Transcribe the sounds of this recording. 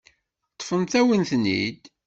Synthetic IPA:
t̪ˤːfənt̪æwənθnḭd̪

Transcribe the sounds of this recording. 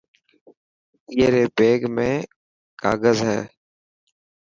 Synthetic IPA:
iəɾeːbeːɡmẽː | ka̰ːɡəzɦɛː

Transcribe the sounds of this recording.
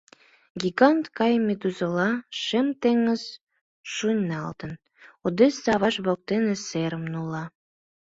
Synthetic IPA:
ɡiɡɑnt̪kɑjmed̪uzəlɑʃemt̪eŋːəz | ʃunʲnɑ̰lt̪ən | od̪esɑβɑʃβok̚t̪eneseɾəmnulɑ

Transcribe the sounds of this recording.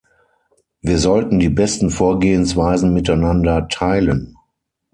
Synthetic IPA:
viːɐzɔltn̩diːbɛstn̩foːɐɡeːənsv̥aɪzn̩mɪtaɪnandɐtʰaɪlən

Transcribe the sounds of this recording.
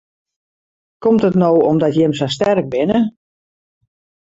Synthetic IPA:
kɔmtətnoːɔmdɔtjɪmsastɛrk̚bɪnə

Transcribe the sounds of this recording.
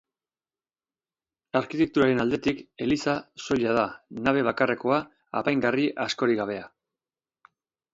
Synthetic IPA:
aɾkit̪e̞k̚t̪uɾaɾe̞nald̪e̞t̪ike̞lisaso̞ʎað̞anaβ̞e̞β̞akare̞ko̞a̰ː | pajŋɡariʔasko̞ɾiɣaβ̞e̞a

